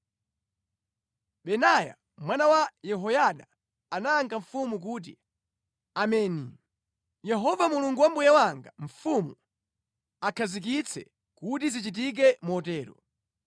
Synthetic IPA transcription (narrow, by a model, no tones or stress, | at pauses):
ɓɛnaja̰ | mwanawajɛɦɔjaɗa | anaːŋɡaɱfumuk̬uːt̬i | amɛːni | jɛɦɔvamuluŋɡuwambujawaŋɡaɱ̩fumu | akʰazik̬it͡sʰɛ̰ | kutizit͡ʃit̬ik̬ɛmuɔtɛːɾɔ̰